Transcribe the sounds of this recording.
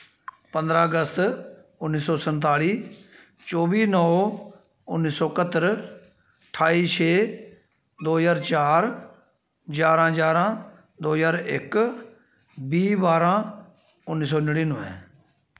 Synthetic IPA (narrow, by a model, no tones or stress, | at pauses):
pə̃nd̪ɾãːəɡəst̪ | ʊnːiːsɔːsənt̪̬aːliː | t͡ʃɔːbiːnɔː | ʊnːiːsɔːkət̪ːəɾ | ʈʰaːiːt͡ʃʰeː | d̪oːɦzaːɾt͡ʃaːɾ | d͡ʒaːɾãːd͡ʒaːɾãː | d̪oːzaːɾɪk | biːbaːɾãː | ʊnːiːs̬ɔːnəɽiːnʊ̃ːɛ̰̃ː